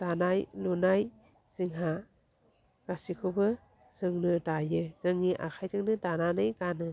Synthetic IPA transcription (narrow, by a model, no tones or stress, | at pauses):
d̥anajlunaj | siŋɦa | kasikʰɯbɯ | z̥ɯŋnɯdajɯz̥ɯŋːiʔa̰kʰajzɯŋnɯdananɯjɡanɯ